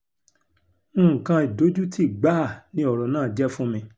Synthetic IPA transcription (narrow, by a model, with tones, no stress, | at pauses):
kã˧i˨do˨˦d͡ʒu˦tʰi˦˨ɡ͡ba˦˨nĩ˧˦ɔ˨ɾɔ˨nãː˦˨d͡ʒɛ˦fũ˦mĩ˧